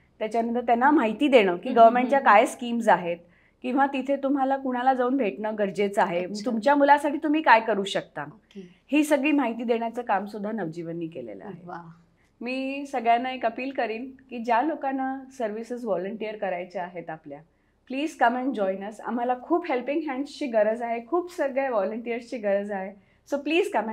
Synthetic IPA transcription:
t̪jat͡ɕjaməd̪ʱːjət̪janːamaɦit̪iːd̪eɽ̃əːkiːɡəʋəɾmẽɳʈt͡ɕjakajeskiːmsaɦet̪̚ | kĩw̃ʋat̪it̪ʰet̪um̤alakuɽ̃alad͡zauːnbʱeʈɳəːɡəɾd͡ʑet͡saɦeməɡt̪umt͡ɕjamulasaʈʰiːt̪um̤iːkajkəɾuːɕək̚t̪a | hiːsəɡɭiːmaɦit̪iːd̪eɽ̃jat͡səːkamsud̪ʱːanəʋd͡ʑiʋənːiːkelḛlə̰a̰ɦe | miːsəɡɭjanːaekəpiːlkəɾiːlkiːd͡ʑjalokanːasəɾʋisəsʋɔləɳʈijəɾkəɾajt͡ɕeaɦet̪aplja | pliːd͡zkəmɛ̃ɳd͡ʑɔjnəsa̰m̤alakʰuːpɦelpiŋɡɦɛ̃ɳɖst͡ɕiːɡəɾəd͡zaɦekʰuːpsəɡɭaʋɔləɳʈijəɾst͡ɕiːɡəɾəd͡zaɦe | sopliːd͡zkəmɛ

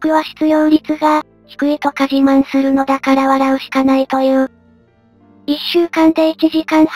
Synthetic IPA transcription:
kɯ̟βaɕi̥t͡sɨjo̞ːɾʲit͡sɨɡa | çi̥kɯ̟it̪o̞kaʑimãɰ̃sɨɾɯ̟no̞d̪akaɾaβaɾaɯ̟ɕi̥kanait̪o̞jɯ̟ː | iɕːɨːkãnd̪e̞it͡ɕiʑikãɰ̃h

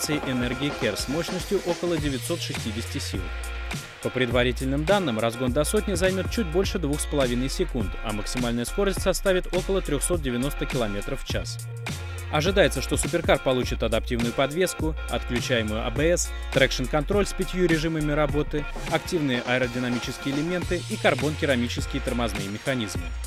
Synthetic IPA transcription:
t̪sɨɪʔɛnɛrɡʲɪɪkʲersmo̞ɕnəsʲtʲjʊʔo̞kəlˠədʲɪvʲɪtʲso̞t̪ʂɨsʲtʲidʲɪsʲtʲɪsʲḭlˠ | pəpɾʲɪd̪vɐɾʲitʲɪlʲnɨmd̪anːɨmrɐzɡo̞nd̪ɐso̞tʲnʲɪzɐjmʲot̪̚t͡ɕut̚ʲbo̞lʲʂɨd̪vuxspəlˠɐvʲinəjsʲɪkunt̪ɐ̰məksʲɪmalʲnəjəsko̞ɾəsʲtʲsɐst̪avʲɪt̪o̞kəlˠət̪ɾʲoxso̞t̪̚dʲɪvʲɪno̞st̪əkʲɪlˠɐmʲe̞t̪ɾəfːt͡ɕa̰s | ɐʐɨd̪ajɪt̪səʂt̪o̞sʊp̬ʲɪrkart̪̚pɐlˠut͡ɕɪt̪ɐd̪ɐp̚tʲivnʊjʊpɐd̪vʲe̞skʊ | ɐ̰t̪klʲʉt͡ɕæjɪmʊjʊʔɐ̰bɛɛs | t̪ɾɛkʂɨnkɐnt̪ɾo̞lʲsʲpʲɪtʲjuɾʲɪʐɨməmʲɪɾɐbo̞t̪ɨ | ɐktʲivnɨjəʔɐəɾədʲɪnɐmʲit͡ɕɪskʲɪjəɪlʲɪmʲe̞nt̪ɨikɐrbo̞nkʲɪɾɐmʲit͡ɕɪskʲɪjət̪ərmɐznɨjəmʲɪxɐnʲizmɨ̰

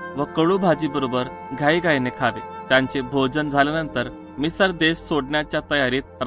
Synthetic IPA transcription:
ʋəkəɭuːbʱad͡ʑiːbəɾobəɾɡʱaiɡʱajnekʰaʋet̪jaɲt͡sebʱod͡ʑənd͡zʱalenənt̪əɾ | misəɾd̪esːoɽɳjat͡ɕjat̪əjaɾiːt̪̚ɾ

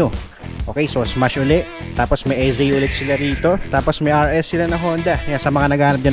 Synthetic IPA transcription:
o | ʔo̞ːkɛjsosmaʃʔʊlɛʔ | t̪ːaːposmɐjʔɛzɛjʔʊlɛt̪̚sɪlaɾiːt̪o̞t̪aːposmɐjʔaɹʔɛsːɪlanɐŋɦo̞ːnd̪ɐjasɐmɐŋanɐɡaːnɐp̚d͡ʒa

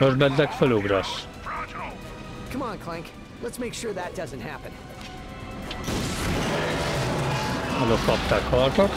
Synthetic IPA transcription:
ərbɛndɛkfəluɡɾɔs | kʰʌ̃mə̃nkʰl̥ɛ̃ŋk | lətsmeɪkʃʊɹðɨt̚d̥ʌzɨ̃nthæpɨ̃n | alɔfɔp̚takʰɔrtɔk

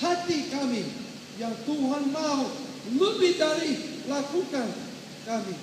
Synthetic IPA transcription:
t̪ʰat̪ikami | jaŋt̪uɦanmao | mɨbidalilakukan | kami

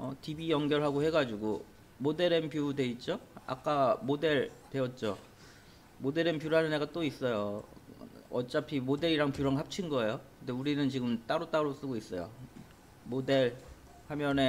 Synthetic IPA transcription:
ʌtibijʌŋɡjʌɭɦaɡohe̞ɡad͡ʑuɡo | mode̞ɾempjude̞it̚t͡ɕ͈oa̰k͈amode̞ɭte̞ʌt̚t͡ɕ͈o | mode̞ɾempjuɾɦanɯneɡat͈ois͈ʌjo | ʌt͡ɕ͈apʰimode̞ɾiɾaŋpjuɾʌŋɦap̚t͡ɕʰinɡʌejokɯndeuɾinɯnt͡ɕiɡɯmt͈aɾot͈aɾos͈ɯɡois͈ʌjo̰ | mode̞ɭ | hamjʌne̞

